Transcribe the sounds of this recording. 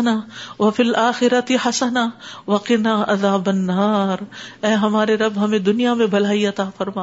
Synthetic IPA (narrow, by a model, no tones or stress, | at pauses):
naʋɐfɪlʔaːxɪɾɐt̪ɪhɐsɐnaːʋɐqɪnaːʔɐðaːbɐnːaːɾɛːɦɐmaːɾeɾɐbɦɐmẽd̪ʊnijamẽbʱɐl̤aːiɐt̪aːfɐɾmaː